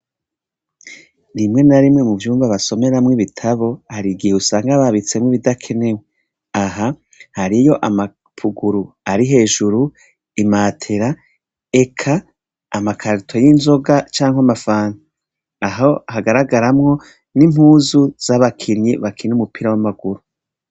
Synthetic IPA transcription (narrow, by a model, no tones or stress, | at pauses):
ɾimŋe̞naɾimŋe̞muvjuːmvaβaso̞me̞ɾamŋiβitʰaβo̞haɾiɡiheusaːŋɡaβaβit͡se̞mŋiβidakʰe̞ne̞we | aɦa | haɾijo̞ʔama | pʰuɡuɾu | aɾiɦe̞ːʒuɾu | imaːtʰe̞ɾa | e̞kʰaː | makʰaɾitʰo̞jinzo̞ɡat͡ʃaːŋhwamafaːna | aɦo̞haɡaɾaɡaɾamŋo̞ | nim̥huːzuz̥aβakʰinɲiβakʰiɲnumupiɾawamaɡuɾu